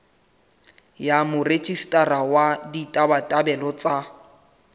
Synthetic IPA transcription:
jamʊret͡ʃʼistʼarawaditʼabatʼabɛlɔt͡sʼa

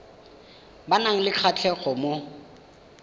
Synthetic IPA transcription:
banaŋ̩lɪk͡xʰat͡ɬʰɛɣɔmo

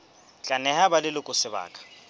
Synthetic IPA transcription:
t͡ɬʼanɛɦabalɪlɪkʼʊsɪba̰ːkʼḁ

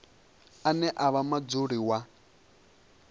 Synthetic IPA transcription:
anɛʔaβamad͡zuɺiwa

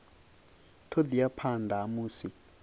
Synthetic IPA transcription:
tʰod̪ijapʰandʱaːmuːsi

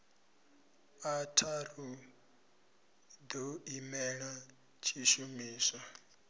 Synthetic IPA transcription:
atʰaru | d̪oimɛɺa | t͡ʃʰiʃumiːsa

